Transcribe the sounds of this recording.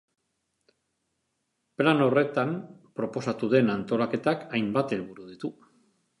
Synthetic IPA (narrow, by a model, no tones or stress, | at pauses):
plano̞re̞t̪ampɾo̞po̞sat̪uðe̞nant̪o̞lake̞t̪akajmbat̪e̞lβuɾuðit̪u